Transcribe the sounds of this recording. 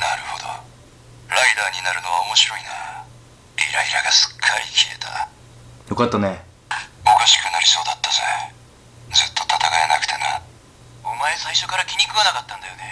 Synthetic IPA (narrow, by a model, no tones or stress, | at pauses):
naɾɯ̟ho̞d̪o̰ | ɾaid̪aːɲ̟inaɾɯ̟no̞β̞aomo̞ɕiɾo̞ina | ɾʲiɾaiɾaɡasɨ̥kʰːaɾʲikʲie̞t̪ʰa̰ | jo̞kat̪ːane | o̞kaɕi̥kɯ̟naɾʲiso̞ːd̪at̪ːazḛ | d͡zɨt̪ːo̞̥t̪at̪akaenakɯ̟̥t̪e̞na | o̞mae̞saiɕo̞kaɾakʲiɲ̟ʲikɯ̟ɡanakat̪ːãnd̪ajo̞ne